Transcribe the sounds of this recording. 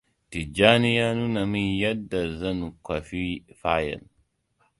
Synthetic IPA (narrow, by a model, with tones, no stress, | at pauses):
ti˨d͡ʒaː˦ni˦ja˦nu˦na˨mi˦nja˦dːa˨zɐ˦nu˨kʷa˨fi˦fa˦jɐ̰˨n